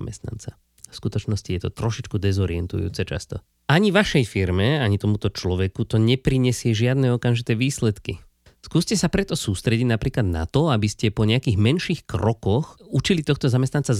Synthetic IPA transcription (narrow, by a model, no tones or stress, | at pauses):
mɛ̰st̪na̰nt͡sa | fskut̪ɔt͡ʃnɔscijɛt̪ɔt̪ɾɔʃit͡ʃkud̪ɛzɔɾiɛnt̪ṵjṵːt͡sɛt͡ʃa̰st̪ɔ | aɲiʋaʃɛjfiɾmɛaɲit̪ɔmut̪ɔt͡ʃlɔʋɛkut̪ɔɲɛpɾiɲɛsɪɛʒɪad̪nɛɔkamʒit̪ɛːʋiːslɛt̪ki | skuːscɛsapɾɛt̪ɔsuːst̪ɾɛɟiɟnapɾiːklad̪na̰t̪ɔabiscɛpɔɲɛakiːɣmɛnʃiːxkɾɔkɔxut͡ʃilit̪ɔxt̪ɔzamɛst̪ant͡sa